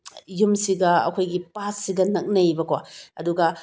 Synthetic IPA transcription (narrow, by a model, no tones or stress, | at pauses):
jumsiɡɐɐ̰kʰojɡipasːiɡɐnɐk̚nɐjbɐkwa̰ɐ̰duɡɐ